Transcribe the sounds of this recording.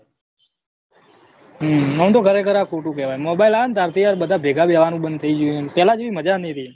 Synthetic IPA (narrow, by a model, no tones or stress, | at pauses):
ɦəmnəm̃t̪okʰəɾekʰəɾakoʈũk̬ɛʋajmobailant̪aɾt̪ijaɾɓəd̪ʱabʱeɡʱabɛʋanũɓənd̪̚t̪ʰəid͡ʒuepɛlad͡ʒeʋiməd͡ʒanĩt̪ʰi